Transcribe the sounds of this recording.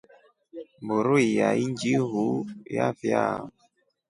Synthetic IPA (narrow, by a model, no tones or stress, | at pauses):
mboɾuijaind͡ʒiɦuja̰fia